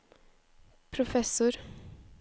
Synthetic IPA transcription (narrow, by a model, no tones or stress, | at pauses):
pʰɾʊfɛsʊɾ